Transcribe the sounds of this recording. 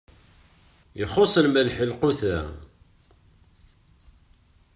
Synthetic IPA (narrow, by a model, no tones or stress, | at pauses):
jəχosˤəlmælħəlqʊθæ